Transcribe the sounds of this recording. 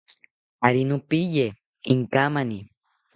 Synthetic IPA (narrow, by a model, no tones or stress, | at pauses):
aɾinupije | iŋkamani